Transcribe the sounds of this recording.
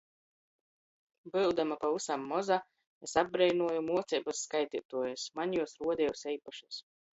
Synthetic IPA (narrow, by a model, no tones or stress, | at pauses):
bɨwd̪amapausamːɔza | esab̚bɾɛjnuɔjumuɔt̪sɛjbasːkajt̪ʲit̪uɔjasmanjuɔsɾuɔd̪ʲɛusɛjpaʃus